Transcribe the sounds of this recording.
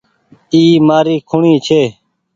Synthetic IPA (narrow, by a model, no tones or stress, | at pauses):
iːmaːɾiːkʰʊɳiːt͡ʃʰeː